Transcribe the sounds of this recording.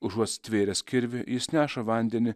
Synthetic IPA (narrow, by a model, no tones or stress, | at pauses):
ʊʒuɔst̪ʲʋʲeːɾʲɛsʲkʲɪɾʲʋʲɪjɪsnʲæːʃɐʋɐnʲd̪ʲɛnʲɪ